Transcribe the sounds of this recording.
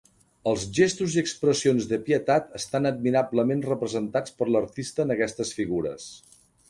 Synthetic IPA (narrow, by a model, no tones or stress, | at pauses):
əlˠzʒest̪uziəkspɾəsionzðəpiət̪at̪əst̪anəd̪̚miɾabləmenrəpɾəzənt̪at͡spəɾləɾt̪ist̪əːnəkɛst̪əsfiɣuɾə̰s